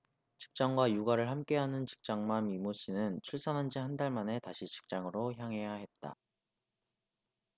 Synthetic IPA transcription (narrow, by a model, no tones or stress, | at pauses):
t͡ɕi̥k̚t͡ɕ͈ʌŋɡwajuɡaɾɯɭhamk͈e̞ɦanɯnt͡ɕi̥k̚t͡ɕ͈aŋmamimoɕ͈ʰinɯnt͡ɕʰuɭs͈anɦand͡ʑihandaɭmane̞taɕʰit͡ɕi̥k̚t͡ɕ͈aŋɯɾoçjaŋɦe̞jaɦe̞t̚t͈a̰